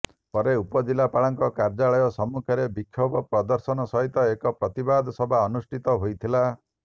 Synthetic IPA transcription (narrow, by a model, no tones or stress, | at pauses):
pɔɾeupɔd͡ʒilapaɭaŋkɔkaɾd͡ʒaɭɔjɔsɔmukʰɔɾebikʰːjɔbɔpɾɔd̪ɔɾsɔnɔsɔɦit̪ɔekɔpɾɔt̪ibad̪ʱɔsɔbʱaɔnusʈʰit̪ɔɦojt̪ʰila